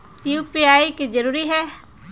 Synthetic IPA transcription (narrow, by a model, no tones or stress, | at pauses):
jupiaːikid͡ʒəɾuːɾiɦɛː